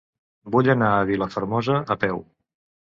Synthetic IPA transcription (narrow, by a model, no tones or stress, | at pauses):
buʎənaəβiləfəɾmɔzəːpɛw